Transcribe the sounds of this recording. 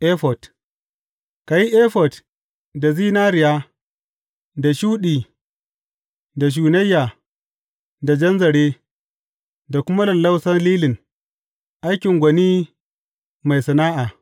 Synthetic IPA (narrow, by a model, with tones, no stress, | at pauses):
ʔe˦ɸɔ˨t | ka˨ji˦ʔeː˦ɸɔ˨t | da˨ziː˦naː˦ɾɪ˨jaː˦ | da˨ʃuː˦ɗiː˨ | da˨ʃ̬uː˨nɐ˦jːaː˨ | da˨d͡ʒɐ˦nzɐ˨ɽeː˦ | da˨kʷʊ˦ma˦lɐ˨lːa˦wsɐ˦nliː˦lɪ˨n | ʔa˦jkʲɪ˨ŋɡʷɐ˨niː˦ | ma˨jsɐ˨naː˦ʔaː˨